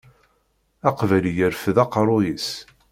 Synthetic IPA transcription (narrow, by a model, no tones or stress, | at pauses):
æqvæljəɾfðɑqɾˤʊjis